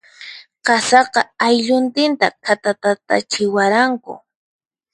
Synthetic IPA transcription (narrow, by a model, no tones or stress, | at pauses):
qɑsɑqɑajʎʊnt̪ɪnt̪akʰat̪at̪at̪a̰t͡ʃɪwaɾaŋkʊ̰